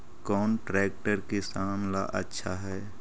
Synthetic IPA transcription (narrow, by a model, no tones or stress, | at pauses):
kɔːnʈɾɛːk̚ʈəɾkesaːmla̰ʔə̰tːʃʰaɦɛː